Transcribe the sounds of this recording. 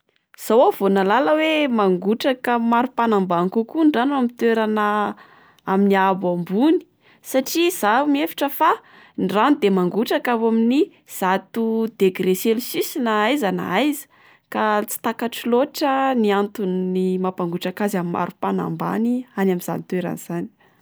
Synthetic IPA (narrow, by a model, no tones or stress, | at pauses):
z̥awav̥onalaləwemaŋɡuʈ͡ʂakəmaɾupanambankukuɳɖ͡ʐanamit̪weɾanə | aminiabambuni̥ | saʈ͡ʂiz̥amiefi̥ʈ͡ʂəfa | ɳɖ͡ʐanid̪emaŋɡuʈ͡ʂakawamini | z̥at̪ud̪̥eɡreselusisinaajzana̰ajzə̥ | kat͡si̥t̪akaʈ͡ʂiloʈ͡ʂəniant̪unnimapaŋɡuʈ͡ʂakazamimːa̰ɾupana̰mba̰nianamiz̥a̰nit̪weɾa̰nz̥ani̥